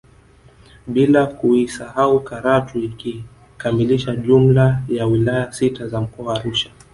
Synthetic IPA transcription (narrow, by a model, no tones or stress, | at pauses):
ɓilakuisahaukaɾatuiki | kamiliʃaʄum̩lajawilajasitazam̩kɔwaːɾuʃḁ